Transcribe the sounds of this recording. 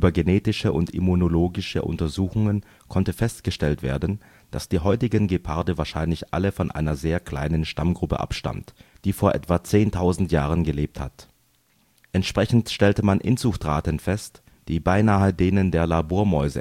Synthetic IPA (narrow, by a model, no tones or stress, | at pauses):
ʔyːbɐɡeneːtɪʃəʔʊntḭmunoloːɡɪʃə̰ʔʊ̰ntɐzuːxʊŋən | kʰɔntəfɛstɡ̥əʃtɛltv̥ḛːɐdn̩ | d̥asd̥iːɦɔʏtɪɡənɡepʰaɐdəvaːɐʃaɪnlɪçʔa̰ləfɔnʔa̰ɪnɐzeːɐkl̥a̰ɪnənʃtamɡʁʊpə̰ʔa̰pʃta̰mtd̥iːfoːɐʔɛ̰tv̥at͡seːntʰaʊzn̩tjaːʁ̞ənɡəleːp̚tha̰t | ʔɛntʃpʁ̥ɛçn̩tʃtɛltəmanʔɪnz̥ʊxtʁaːtənfɛst | d̥iːbaɪnaːədeːnəndeːɐlaboːɐmɔʏzə̰